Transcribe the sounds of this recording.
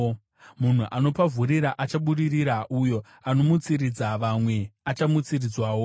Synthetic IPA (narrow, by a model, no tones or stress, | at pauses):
mun̤uʔano̞pavʱuɾiɾaʔat͡ʃaɓuɗiriɾaʔujo̞ | anomut͡siɾid͡zaʋamwe̞at͡ʃamut͡sirid͡zwaːwo